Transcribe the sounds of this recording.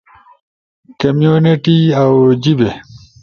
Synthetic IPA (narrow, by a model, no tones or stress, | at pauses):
kɐmjuniʈiawd͡ʑibe